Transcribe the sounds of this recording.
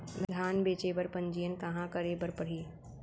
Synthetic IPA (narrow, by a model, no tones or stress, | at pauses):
d̪ʱd̪ʱaːnbeːt͡ʃeːbəɾpɐ̃ɲd͡ʒijənkɐɦãkəɾeːbəɾpɐɽ̤iː